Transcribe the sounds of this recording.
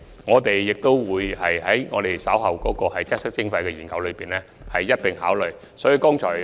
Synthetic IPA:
ŋɔː˨˧t̪e˨jːɪ˨k̚t̪o˥wwuː˨˧jhɐ˨jhɐ˨˥jŋɔː˨˧t̪e˨˩jsɐ˨˥wɦɐ˨wkɔː˨˥kɔː˧hɐ˨jt͡sʰɛː˥ksɪ˥k̚t͡sɪ˥ŋfɐ˧jkɛ˧jiː˨˩nkɐ˨˧wlɵ˨˧ɥpiː˨˩nlɛː˥ | hɐ˨jːɐ˥t̚pɪ˨˩ŋɦaː˨˥wlɵ˨˩j | sɔː˨˥jyː˨˧kɔː˥ŋt͡ʃʰɔː˨˩j

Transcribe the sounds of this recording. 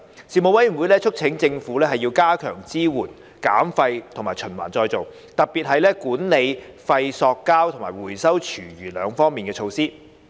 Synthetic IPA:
siː˨˩mo˨˩wɐ˨˥jwu˨˧jlɛː˥t͡ʃʰɵ˥k̚t͡sʰɪ˨˥ŋt͡sɪ˧ŋfuː˨˥lɛː˥ɦɐ˨jːiː˧wkaː˥kʰœ̰ː˨˩ŋt͡siː˥wuː˨˩n | ka̰ː˨˥mfɐ˧jt̪ʰo˨˩ŋmaː˨˩jt͡ʃʰɵ˨˩nwa̰ː˨˩nt͡ʃɔː˧jt͡so˨w | t̪ɐ˨k̚piː˨t̚hɐ˨jlɛː˥kuː˨˥nne˨˧jfɐ˧jsɔː˧kːaː˥wt̪ʰʊ˨˩ŋmaː˨˩jwuː˨˩jsɐ˥wt͡ʃʰyː˨˩ɥyː˨˩lœː˨˧ŋfɔː˥ŋmiː˨nkɛː˧t͡ʃʰo˧wsiː˥

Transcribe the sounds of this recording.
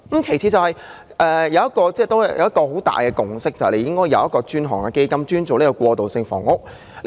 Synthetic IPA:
m̩˨˧˥kʰe˨˩jt͡sʰi˨˧t͡sɐ˨whɐ˨j | ʔɛː˨jɐ˨˧wjɐ˥t̚kɔː˧t͡sɛː˥˩t̪o˥jɐ˨˩jɐ̰˨˧wjɐ˥tkːɔː˧ɦo˨˥wt̪a̰ː˨jkɛː˧kʊ˨˩ŋsɪ˥k̚t͡sɐ˨hle˧jɪ˥ŋkɔː˥jɐ˨˧wjɐ˥t̚kɔː˧t͡ʃyː˥nɦɔ̰ː˨˩ŋkɛ˧ke˥jkɐ˥mt͡ʃyː˥nt͡so˨nleː˥kɔ˧kwɔː˧t̪o˨wsɪ˧ŋfɔ̰ː˨˩ŋʊ˥k̚ | l

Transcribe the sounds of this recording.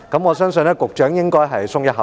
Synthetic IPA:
kɐ˨˥mŋɔː˨˧sœː˥ŋsɵ˧nɛː˥kʊ˨k̚t͡ʃœː˨˥ŋjɪ˥ŋkɔː˥jɦɐ˨jsʊ˥ŋjɐ˥t̚ɦɐ˨

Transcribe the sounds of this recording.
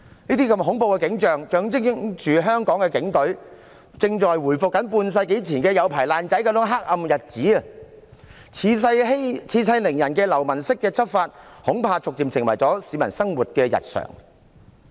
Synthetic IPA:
niː˥t̪iː˥kɐ˧mɦʊ˨˥ŋpo˧wkɛ˧kɪ˨˥ŋt͡ʃœː˨ŋt͡ʃœː˨˧ŋt͡sɪ˥ŋŋt͡ʃyː˨ɦœː˥ŋkɔː˨˥ŋkɛ˧kɪ˨˥ŋt̪ɵ˨˥ɥ | t͡sɪ˧ŋt͡ʃɔː˨jwuː˨˩jfʊ˨kːɐ˨˥npuː˧ns̬ɐ˧jke˨˥jt͡sʰiː˨˩nkɛː˧jɐ˨˧wpʰaː˨˩jlaː˧nt͡sɐ˨˥jkɐ˨˥wt͡sʊ˨˥ŋɦa˥k̚ɐ˧mjɐ˨t̚t͡siː˨˥ɐ˨ | i˨˥sɐ˧jɦe˥t͡sʰiː˨˧˥sɐ˧jlɪ˨˩ŋjɐ˨˩nkɛː˧lɐ˨˩wmɐ˨˩nsɪ˥kːɛː˧t͡sʰɐ˥p̚faː˧t̚hʊ˨˥ŋpʰaː˧t͡sʊ˨k̚t̪iː˨msɪ˨˩ŋwɐ̰˨˩jt͡sɔː˨˥siː˨˧mɐ˨˩nsɐ˥ŋwuː˨t̚kɛː˧jɐ̰˨t̚sœ̰ː˨˩ŋ

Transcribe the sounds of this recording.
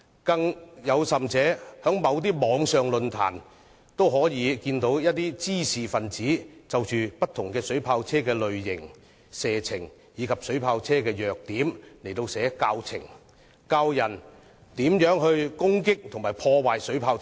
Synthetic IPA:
kɐ˧ŋjɐ˨˧wsɐ˨mt͡sɛː˨˥hœ˨˥ŋmɐ˨˧wt̪̬iː˥mɔː˨˧ŋsœː˨ŋlɵ˨nt̪ʰa̰ː˨˩n | t̪o˥wɦɔː˨˥jiː˨˧kiː˧nt̪o˨˥wjɐ˥t̚t̪ːiː˥t͡siː˥siː˨˩fɐ˨nt͡siː˨˥t͡sɐ˨wt͡ʃyː˨pɐ˥t̪ʰʊ˨˩ŋkɛː˧sɵ˨˥ɥpʰaː˧wt͡sʰɛː˥kɛː˧lɵ˨ɥjɪ˨˩ŋ | sɛː˨t͡sʰɪ˨˩ŋ | jiː˨˧kʰɐ˨p̚sɵ˨˥ɥpʰaː˧wt͡sʰɛː˥kɛː˧jœː˨˩k̚t̪iː˨˥mle˨˩jt̪o˧wsɛː˨˥kaː˧wt͡sʰɪ̰˨˩ŋ | kaː˧wjɐ˨˩n | t̪iː˨˥mjœː˨˥ŋhɵ˧ɥkʊ˥ŋkɪ˥k̚t̪ʰʊ˨˩ŋmaː˨˩jpʰɔː˧waː˨jsɵ˨˥ɥpʰaː˧w

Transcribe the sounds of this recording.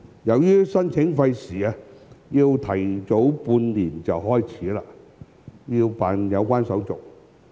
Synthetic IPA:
jɐ˨wjyː˥sɐ˥nt͡sʰɪ˨˥ŋfɐ˧jsiː˨˩a˧jiː˧wt̪ʰɐ˨˩jt͡so˨˥wpuː˧nliː˨˩nt͡sɐ˨wɦɔː˥jt͡sʰiː˨˥laː˧ | jiː˧wpaː˨njɐ˨˧wkʷaː˥nsɐ˨˥wt͡sʊ˨k̚

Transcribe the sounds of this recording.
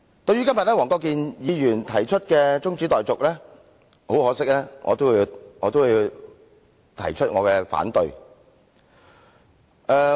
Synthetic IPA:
t̪ɵ˧ɥyː˥kɐ˥mjɐ˨t̚lɛː˥wɔː˨˩ŋkɔː˧k̬iː˧njiː˨˧jyː˨˩nt̪ʰɐ˨˩jt͡ʃʰɵ˥t̚kɛː˧t͡sʊ˥ŋt͡siː˨˥t̪ɔː˨jt͡sʊ˨k̚lɛː˥ | ho˨˥whɔː˨˥sɪ˥k̚lɛː˥ŋʔɔ̰ː˨˧t̪o˥wji˧wŋɔː˨˧t̪̬o˥wji˧w | t̪ʰɐ̰˨˩jt͡ʃʰɵ˥t̚ŋɔː˨˧kɛː˧fa̰ː˨˥nt̪ɵ˨˧ɥ | ʔɛː˧

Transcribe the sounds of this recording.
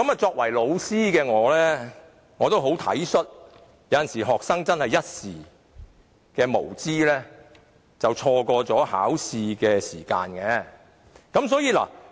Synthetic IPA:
kɐ˨˥maː˨t͡sɔː˧k̚wɐ˨˩jlo˨˧wsiː˥kɛː˧ŋɔː˨˧lɛː˥ | ŋɔː˨˧t̪o˥wɦo˨˥wt̪ʰɐ̰˨˥jsɵ˥t̚ | jɐ˨˧wjɐ˨nsiː˨˩ɦɔː˨k̚sɐ˥ŋt͡sɐ˥nhɐ˨jɐ˥t̚siː˨˩ | kɛː˧mo̰˨˩wt͡siː˥lɛː˥ | t͡sɐ˨wt͡ʃʰɔː˧kɔː˧t͡sɔː˨˥ha̰ː˨˥wsiː˧kɛː˧siː˨˩ka̰ː˧nkɛː˧ | kɐ˨˥msɔː˨˥jiː˨la̰ː˨˩

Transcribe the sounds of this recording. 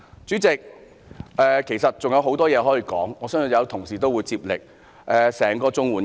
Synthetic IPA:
t͡syː˨˥t͡sɪ˨k̚ | ʔɛː˨kʰe˨˩jsɐ˨t̚t͡sʊ˨ŋjɐ˧wɦo˨˥wt̪ɔː˥jɛː˨˧ɦɔː˨˥jiː˨˧kɔ̰ː˨˥ŋɔː˨˧sœː˥n˨jɐ˨˧wt̪ʰʊ˨˩ŋsiː˨t̪o˥wuː˨˧jt͡siː˧p̚lɪ˨k̚ | ʔɛː˨˧sɛː˨˩ŋkɔː˧t͡sʊ˥ŋwuː˨˥n

